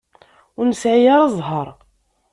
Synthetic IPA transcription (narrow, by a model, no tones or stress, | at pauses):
ʊɾnəsʕijaɾˤɑzˤɦəɾˤ